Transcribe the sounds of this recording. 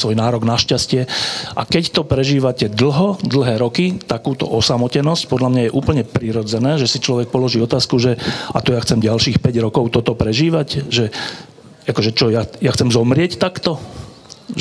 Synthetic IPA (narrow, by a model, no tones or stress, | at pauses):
sʋɔjnaːɾɔɡnaʃcascɪɛʔa̰kɛct̪ɔpɾɛʒiːʋacɛd̪l̩ɦɔd̪l̩ɦɛːɾɔkit̪akuːt̪ɔ̰ʔɔsamɔcɛnɔsc̚pɔd̪ʎamɲajɛʔuːpl̩ɲɛpɾiɾɔd͡zɛnɛːʒɛsit͡ʃlɔʋɛk̚pɔlɔʒiːɔt̪aːskuʒɛat̪ɔjaxt͡sɛmɟalʃiːxpɛɟɾɔkɔʊt̪ɔt̪ɔpɾɛʒiːʋacʒɛ | akɔʒɛt͡ʃɔjajaxt͡sɛmzɔmɾɪɛct̪akt̪ɔ | ʒ